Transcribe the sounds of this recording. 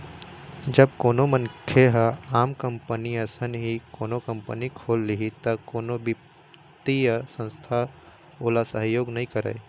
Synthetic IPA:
d͡ʒɐbkoːnomənkʰeɦəaːmkɐ̃mpəniɐsənɦikoːnokɐ̃mpənikʰoːlːiɦit̪ɐkoːnobɪp | t̪ijəsə̃nst̪ʰa | oːlasəɦjoːɡnɐɦĩkɐɾə̰e

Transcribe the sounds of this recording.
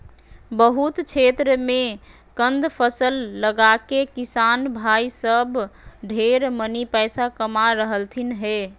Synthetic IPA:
bəɦut̪t͡ʃʰet̪ɾəme | kənd̪pʰəsəlːəɡakekisanbʱaisəbɖʱeɾmənipəsakəmaɾəɦəlt̪ʰinɦe

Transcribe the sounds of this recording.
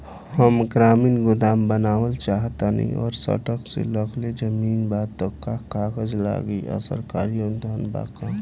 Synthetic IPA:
həmɡɾaːmiːnɡʊd̪aːmbənaːwəlt͡ʃaːɦt̪anə̰ḭ̃ʔɔːɾsə̰ʈəksḛləkled͡ʒəmiːnbaːd̪̚t̪ɔkːakaːɡəd͡ʒla̰ːɡiə̰sə̰ɾkaːɾiond̪ʱaːnba̰ːka

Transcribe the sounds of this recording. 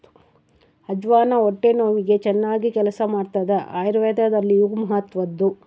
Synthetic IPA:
hɐd͡ʒʋaːnɐoʈːenoːʋiɡe̞t͡ʃɛnːaːɡikɛlɐsɐmaːɖt̪ɐd̪eʔa̰ːjɾʋeːd̪ɐd̪ɐlːijuɡmɐɦɐt̪ʋɐd̪ːu

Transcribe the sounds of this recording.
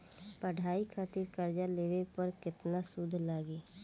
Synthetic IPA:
pəɽʱaːikʰaːt̪ɪɾkəɾd͡ʒaleːʋepəɾkɪt̪nasʊd̪ʱlaːɡeː

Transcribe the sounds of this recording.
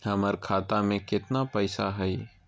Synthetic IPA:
hɐməɾkʰaːt̪amẽkɪt̪napəɪsa̰ɦɛi

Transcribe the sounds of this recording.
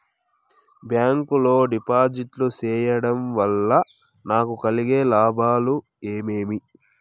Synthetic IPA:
bjaːŋkulo̞ːɖipaːd͡ʒiʈlut͡ʃɛːjɐɽɐmʋɐlːɐ | naːkukɐliɡe̞ːlaːbʱaːlu | eːmeːmi

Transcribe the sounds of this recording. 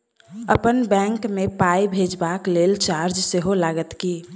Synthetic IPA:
əpənbɛ̃ːŋkmẽpaːibʱeːd͡ʒbakleːlt͡ʃaːɾd͡ʒseɦolaːɡət̪kiː

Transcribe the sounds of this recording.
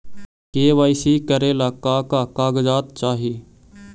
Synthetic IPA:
keːʋaːisiːkəɾeːlaːkaːkaːkaːɡd͡ʒaːt̪t͡ʃaːɦiː

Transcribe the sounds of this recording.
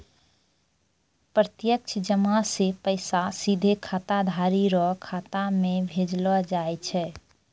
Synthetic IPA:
pɾət̪jək̚t͡ʃʰd͡ʒəmasepəɪsasid̪ʱekʰat̪ad̪ʱaɾiɾɔkʰat̪amebʱed͡ʒləd͡ʒaet͡ʃʰɛ

